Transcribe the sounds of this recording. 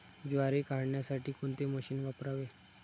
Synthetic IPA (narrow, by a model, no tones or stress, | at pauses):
d͡ʑʋaɾekaɽɳjasaʈʰiːkoɳt̪eməɕiːnʋapɾaʋe